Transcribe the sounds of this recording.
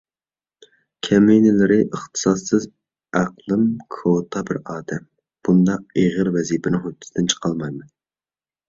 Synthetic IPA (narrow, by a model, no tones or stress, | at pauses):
kʲʰɛminɪlɪɾɪʔəχt̪ʰɨ̥sɑsːɨz | æqlˠɨmkʰot̪ʰɑbɪɾɑːd̪ɛm | b̥und̪ɑq̚eʁəɾvɛzipʰɪnɪŋhot̪ːɪ̥sd̪ɪnt͡ʃʰə̥qʰɑlˠmɑjmɛn